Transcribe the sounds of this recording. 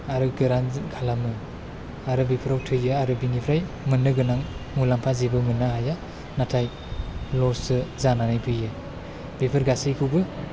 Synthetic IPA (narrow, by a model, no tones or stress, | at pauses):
aɾɯɡɯɾankʰalamɯ | aɾɯbipʰɯɾawtʰɯjɯaɾɯbinipʰɾaj | mɯnːɯɡɯnaŋmulampʰazibɯmɯnːaɦaja | natʰaj | lɔsɯzananajpʰɯjɯ | b̥epʰɯɾɡasijkʰɯwbɯ